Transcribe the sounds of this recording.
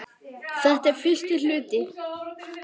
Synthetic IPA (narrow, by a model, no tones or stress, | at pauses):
θɛht̪ɛɾfɪ̥st̪ɪl̥ʏːt̪ɪ